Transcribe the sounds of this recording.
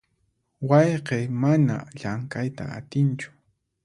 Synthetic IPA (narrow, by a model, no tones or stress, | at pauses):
wɑjqejmana̰ʎaŋkajt̪a̰a̰t̪ɪnt͡ʃʊ̥